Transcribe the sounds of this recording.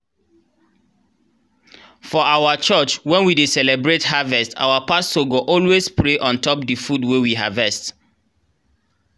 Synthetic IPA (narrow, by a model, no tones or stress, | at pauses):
fɔʔawat͡ʃət͡ʃwɛ̃nwidesɛlɛbɹethavɛsta̰wapastoɡoʔɔlwespɹeʔɔ̃ntɔpdifudwewiɦa̰vɛst